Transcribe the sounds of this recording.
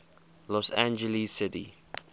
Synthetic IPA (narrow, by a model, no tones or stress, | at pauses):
lɔsæ̃nd͡ʒəlissɪtḭ